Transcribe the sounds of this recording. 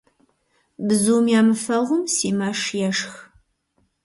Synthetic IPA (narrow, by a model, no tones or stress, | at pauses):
bɨzuːmjaːmɨfɐʁʷʊmsiːmaːʂjɛʂx